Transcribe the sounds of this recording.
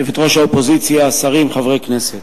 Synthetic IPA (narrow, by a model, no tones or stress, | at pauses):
vit̪ʁoʃaopozit͡sjaːsaʁimχavʁekneset̪